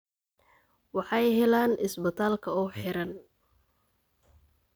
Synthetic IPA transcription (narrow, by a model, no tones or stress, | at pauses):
wɑħɑjɦɛlaːnɪsbɐt̪ʰaːlkʰɐɔːħɪɾɐn